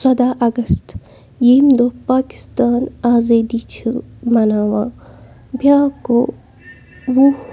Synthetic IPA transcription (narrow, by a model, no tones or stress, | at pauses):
sɐd̪aːʔɐɡɐst̪ | jimd̪opaːkɪ̥st̪aːnaːzeːd̪it͡ʃʰɨmɐnaːwãː | bʱjaːko | wu